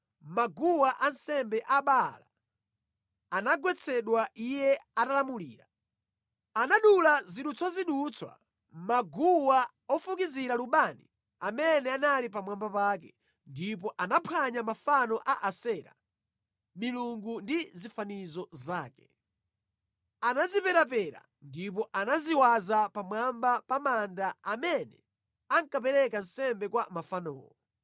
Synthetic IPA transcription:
maɡuwaʔansɛmbɛʔaɓala̰ | anaɡwɛt͡sʰɛɗwaʔijɛatalamuliːɾa | anaɗulaziɗut͡sʰwaziɗut͡sʰwa̰ | maɡuwa | ɔfukiziɾaluɓanḭ | amɛnɛanalipamwambapaːk̬ɛ | ndip̬ɔʔanapʰaɲamafanɔʔaʔasɛɾa̰ | miluŋɡundizifanizɔzaːkɛ̥ | anazipɛɾap̬ɛɾa̰ | ndip̬ɔʔanaziwazapamwambapamandaamɛnɛ | aŋkap̬ɛɾɛkan̩sɛmbɛkwamafanɔ̰ːwɔ

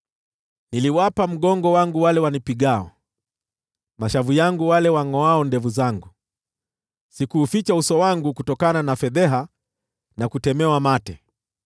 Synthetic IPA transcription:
niliwapam̩ɠɔŋɡɔwaŋɡuwalɛwanipiɠaɔ̰ | maʃavujaŋɡuwalɛwaŋɔaɔndɛvuzaŋɡu | sikuːfit͡ʃausɔwaŋɡukutɔkananafɛðɛɦa | nakutɛmɛwamatɛ

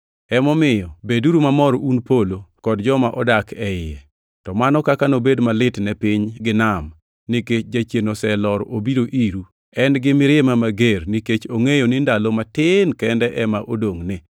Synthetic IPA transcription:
ɛmɔmɪjɔbeduɾumamɔɾunpolokɔdd͡ʒɔmaʔɔdakʰɛɪɛ | tɔmanɔkakanobedmalɪtnɛpɪɲɡɪnam | nɪket͡ʃd͡ʒat͡ʃjenosɛlɔɾobiɾoʔiɾu | ɛnɡɪmɪɾɪɛmamaɡeɾniket͡ʃoŋejonɪndalomatɪnkɛndɛʔɛmaʔodoŋnɪ

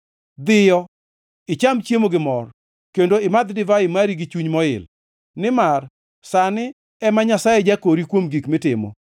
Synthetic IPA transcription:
d̪ɪjɔ | ɪt͡ʃamt͡ʃemoɡɪmɔr | kendoɪmad̪dɪvaɪmaɾiɡɪt͡ʃuɲmɔɪ̰l | nɪmar | sanɪ | ɛmaɲasajɛd͡ʒakoɾikwomɡikmɪtɪmo̰

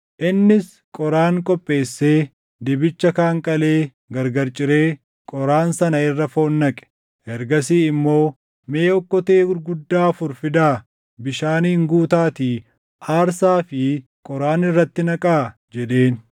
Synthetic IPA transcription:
ʔɪnːɪs | kʼɔɾaːŋkʼɔpʼːe̞ːsːe̞ː | d̪ɪbɪt͡ʃːɐkaːŋkʼɐle̞ː | ɡɐɾɡɐɾt͡ʃʼɪɾe̞ː | kʼɔɾaːnsɐnɐɪrːɐfo̞ːnːɐkʼɛ̥ | ʔɛɾɡɐsiːɪmːo̞ː | me̞ːɔkːɔt̪eːɡʊɾɡʊd̪ːaːfʊɾfɪd̪aː | bɪʃaːniːŋɡuːt̪aːt̪iː | ʔaːɾsaːfɪ | kʼɔɾaːnɪrːɐt̪ːɪnɐkʼaːd͡ʒɛd̪e̞ːn

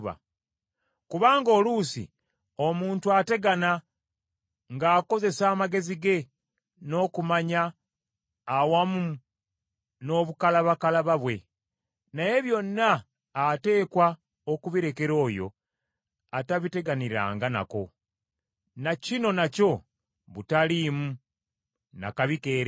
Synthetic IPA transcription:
βa̰ | kuβaːŋɡo̞ːlusḭ | o̞muːntuate̞ɡana | ŋɡaːko̞ze̞saːmaɡe̞ziɡe̞ | no̞ːkumaɲaː | wamu | no̞βukalaβakalaβaβwe̞ | naje̞βjo̞nːaː | te̞ːkwa | okuβiɾe̞ke̞ɾo̞ːjo̞̰ | ataβite̞ɡaniɾa̰ːŋɡana̰ko̞̰ | nacino̞naco̞ | βutalimu | na̰kaβike̞ːɾe

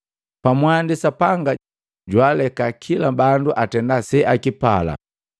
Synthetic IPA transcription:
pamwandisapaŋɡa | ɟwalɛkakʰilabanduʔatɛndasɛʔakipa̰la̰

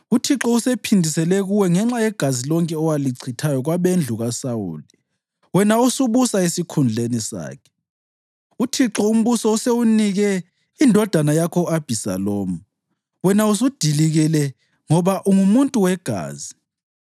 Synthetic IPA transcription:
utʰiǁɔusepʰindʱisɛlɛɣuwɛŋɛŋ͡ǁajɛɡ̥ʱazilɔŋkʼɛɔwaliǀʰitʰajɔɣwaβend͡ɮʱuɣasawṵːli | wɛnausuβusaesikʰund͡ɮʱenisa̰ːkʰɛ̥ | utʰiǁɔum̩βusɔusewuniɣɛ | indʱɔd̥ʱanajakʰɔab̥ʱisa̰loːmu | wɛnausud̥ʱiliɣɛlɛ | ŋɔβaʔuŋumuntʼuwɛɡ̥ʱa̰ːzi

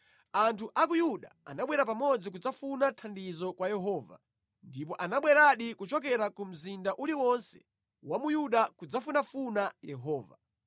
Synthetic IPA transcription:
antʰuʔak̬ujuɗa̰a̰naɓwɛɾapamɔd͡zik̬ud͡zafunatʰandizɔkwajɛɦɔːva̰ | ndip̬ɔʔanaɓwɛɾaɗikut͡ʃɔk̬ɛɾakum̩zindaʔuliwɔnsɛ̥ | wamujuɗakud͡zafunafunajɛɦɔːva

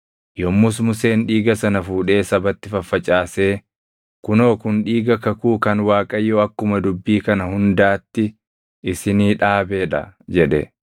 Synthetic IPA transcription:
jɔmːʊs̬mʊse̞ːnᶑiːɡɐsɐnɐfuːᶑe̞ːsɐbɐt̪ːɪfɐfːɐt͡ʃʼaːse̞ː | kʊno̞ːkʊnᶑiːɡɐkɐkuːkɐnwaːkʼɐjːoːɐkːʊmɐd̪ʊbːiːkɐnɐhʊnd̪aːt̪ːɪ | ɪsɪniːᶑaːbeːᶑɐ̰d͡ʒɛᶑɛ̰

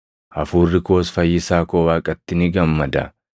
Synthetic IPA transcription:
ʔɐfuːrːɪko̞ːsfɐjːɪsaːkoːwaːkʼɐt̪ːɪnɪɡɐmːɐd̪ɐ̰

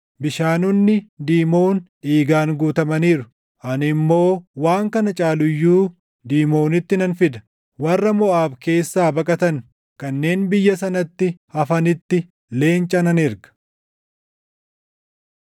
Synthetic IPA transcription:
bɪʃaːnʊnːɪd̪iːmo̞ːnʔiːɡaːnɡuːt̪ɐmɐniːɾʊ | ʔɐnɪmːo̞ːwaːŋkɐnɐt͡ʃʼaːlʊjːuː | d̪iːmo̞ːnɪt̪ːɪnɐnfɪd̪ɐ̥ | wɐrːɐmɔaːbke̞ːsːaːbɐkʼɐt̪ɐŋ | kɐnːe̞ːnbɪjːɐsɐnɐt̪ːɪhɐfɐnɪt̪ːɪ | le̞ːnt͡ʃʼɐnɐnɪɾkɐ̥

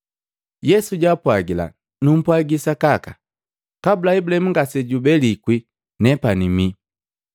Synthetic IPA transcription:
jɛsuɟaːpwaɡila̰ | num̩pwaɡisakaka | kabulaibulaɛmuŋɡasɛɟubɛlikwi | nɛpanimi

